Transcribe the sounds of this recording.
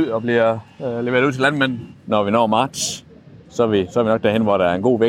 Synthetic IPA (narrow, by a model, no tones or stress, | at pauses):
ð̰ˠɒ̽b̥liɐleʋe̝ɐð̩ˠuð̰ˠt͡sʰelænmen̰n̩nɒʋinɒ̰ːmɑ̈ːd̥s | sɒʋisɒ̽ɐʋinɒ̽ɡ̥d̥æɐhenʋɒɾ̥ææɐe̝nɡ̥o̝̰ːʋe